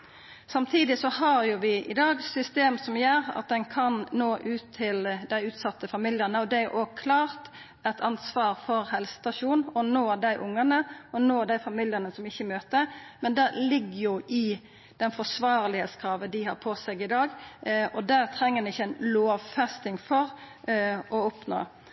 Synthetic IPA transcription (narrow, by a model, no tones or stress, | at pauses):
sɑmt̪ʰiːd̪ɪsɔhɑɾjʊʋɪʔɪ̰d̪ɑːɡsʏst̪eːmsɔmjøːɾɑ̰t̪̚d̪ɛnkʰɑnnoːʔʉːt̪ʰːɪld̪æɪʉːt̪sɑt̪ʰːəfɑmiljənəɔd̪ɛæɾʔoːɡkʰlɑːʁt̪ | ɛt̪ʰɑnsʋɑːɾfɔɾhɛlsə̥t̪ɑʃuːnɔnoːd̪æɪʔʊŋːɑnəɔnoːd̪æɪfɑmiːljənəsɔmɪçːəmøːt̪əɾmɛnd̪ɛlɪɡːəjʊʔɪ | d̪̥ɛnfɔsʋɑːʁlɪheːt̪skʰɾɑːʋənd̪ɪhɑɾpʰɔsɛɡɪd̪ɑːɡɔd̪æːʁt̪ʰɾɛŋːəd̪ɛnɪçːəæɪnloːʋfɛst̪ɪŋfɔɾ | ɔɔpno̰ː